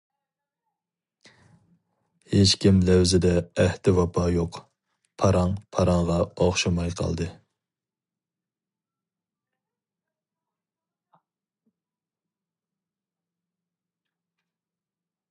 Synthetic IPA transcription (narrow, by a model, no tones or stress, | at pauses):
het͡ʃkʲimlæwzɪd̪ɛːht̪ɪwɑpʰɑːjoq | pʰɑɾɑŋpʰɑɾɑŋʁɑoχʃɑmɑjqʰɑ̰lˠd̪ɨ